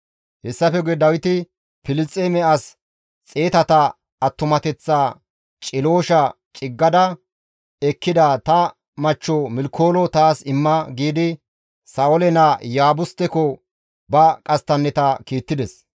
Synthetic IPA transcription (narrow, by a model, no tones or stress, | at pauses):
hɛsːɐfɛɡʊɛd̪ɐwɪt̪ɪ | pɪlɪt͡sʼːemɛɐs | t͡sʼe̞ːt̪ɐt̪ɐ | ɐt̪ːʊmɐt̪ɛt͡sːaː | t͡ʃʼɪlo̞ːʃɐ | t͡ʃʼɪɡːɐd̪ɐ | ɛkːɪd̪ɐt̪ɐ | mɐt͡ʃːɔmɪlkʰːo̞ːlɔt̪aːsɪmːɐɡiːd̪ɪ | saːʔɔlɛnɐjaːbʊst̪ːɛkɔ | bɐkʼɐst̪ːɐnːɛt̪ɐkiːt̪ːɪd̪ɛs